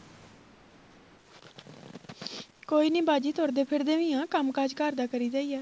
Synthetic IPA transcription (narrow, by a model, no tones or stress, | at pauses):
koːiːnĩːbaːd͡ʒiːt̪ʰoːɾd̪eːpʰɪɾd̪eːʋɪ̃ːãːkəmkaːd͡ʒkaːɾd̪aːkəɾiːd͡ʒaːiːɛː